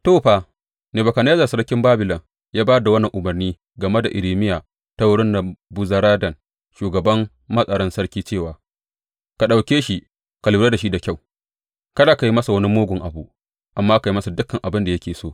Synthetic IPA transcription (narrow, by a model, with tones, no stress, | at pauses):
toː˦˨ɸaː˨ | neː˨bɐ˨ka˨ne˦zaː˨sɐ˦kʲɪ˦mbaː˦bɪ˨lɐ˨ŋ | jaː˦baː˦da˨wɐ˦nːɐ˨ŋʔʊ˨mɐ˨rniː˦ | ɡɐ˨me˦da˨ʔɪ˨ɾiː˨mɪ˦jaː˨ | ta˦wʊ˦ɽɪ˦nːa˨bʊ˦zɐ˦ɾaː˦dɐ˨n | ʃuː˨ɡɐ˨bɐ˦mː | ɐ˦sʼɐ˨ɾɐ˦nsɐ˦ɽkʲiː˦t͡ʃeː˦˨waː˨ | ka˨ɗa˨wkʲeː˦ʃi˦ | ka˨luː˨˦ɾa˦da˨ʃi˦da˨kʲa˦˨w | kɐ˦daː˨ka˨ji˦mɐ˦sa˨wɐ˦ni˦moː˦ɡʷʊ˨ŋʔa˨bu˦ʔ | ʔa˨mːaː˦ka˨ji˦mɐ˦sa˨dʊ˦kːɐ˨ŋʔa˨bɪ˦nda˨jɐ˦kʲeː˨soː˦˨